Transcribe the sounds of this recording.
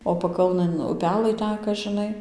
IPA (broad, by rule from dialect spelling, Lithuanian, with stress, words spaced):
oː pɐˈkɐlˠnɘn ʊˈpʲæːlˠɘ ˈtʲæːkɐ ʒʲɪˈnɐɪ